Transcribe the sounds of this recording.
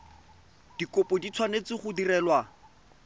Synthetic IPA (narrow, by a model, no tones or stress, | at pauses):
d̥ikopɔdit͡sʰwanet͡sɪχʊdirɛːlwa